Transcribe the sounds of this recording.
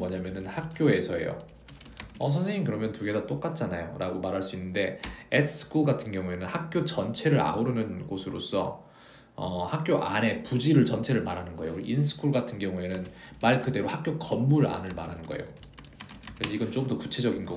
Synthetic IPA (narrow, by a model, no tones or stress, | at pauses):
wʌɲamjʌnɯnhak̚k͈joe̞sʰʌe̞̰jo̰ | ʌsʰʌnsʰe̞ŋiŋkɯɾʌmjʌntuɡe̞dat͈ok͈at̚t͡ɕ͈anajoɾaɡomaɾɦaɭs͈uinːɯnde̞etsʰɯ̥kʰuɡatʰɯnɡjʌŋue̞nɯnhak̚k͈jot͡ɕʌnt͡ɕʰeɾɯɾa̰uɾɯnɯnɡosʰɯɾos͈ʰʌ | ʌhak̚k͈joʔane̞pud͡ʑiɾɯɭt͡ɕʌnt͡ɕʰe̞ɾɯɭmaɾɦanɯnɡʌejoɾiʔinsʰɯ̥kʰuɭɡatʰɯnɡjʌŋue̞nɯnmaɭkɯde̞ɾohak̚k͈jokʌmːuɾa̰nɯɭmaɾɦanɯnɡʌḛjo | kɯɾesʰʌiɡʌnt͡ɕ͈oɡɯmdʌku̥t͡ɕʰe̞d͡ʑʌɡinɡʌ